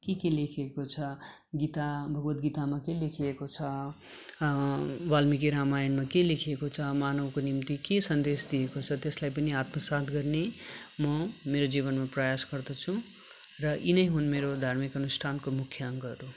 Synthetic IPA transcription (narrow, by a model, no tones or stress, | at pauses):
kekelekʰekot͡sʰʌ | ɡit̪abʱʌɡbʌt̪ɡit̪amakelekʰiekot͡sʰʌ | walmik̬iɾamajʌnmakelekʰiekot͡sʰʌmanʌwkonimt̪ikesʌnd̪esd̪ijekot͡sʰʌt̪eslajpʌniat̪mʌsad̪ɡʌrnemʌmeɾod͡zibʌnmaprʌjasɡʌrd̪ʌt͡sʰũ | rʌʔinʌjɦunmeɾod̪ʱarmikʌnusʈʰankomukʰjʌʌŋɡʌɾu